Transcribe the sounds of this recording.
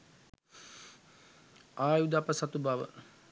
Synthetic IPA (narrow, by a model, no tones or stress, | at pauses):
aːjud̪apəsat̪ubaʋə̰